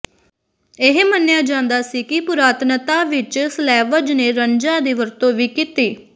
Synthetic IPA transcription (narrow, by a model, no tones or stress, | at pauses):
ɪɦmənjaːd͡ʒãːnd̪aːsiːkɪpʊɾaːt̪nət̪ãːʋɪt͡ʃslɛːʋəd͡ʒneːɾəɲd͡ʒãːd̪iːʋəɾt̪õːʋiːkit̪iː